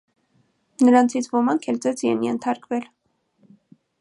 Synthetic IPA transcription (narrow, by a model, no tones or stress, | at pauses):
nəɾɑnt͡sʰit͡sʰvɔmɑŋkʰɛlt͡sɛt͡sʰiɛnjɛnt̪ʰɑɾkvɛl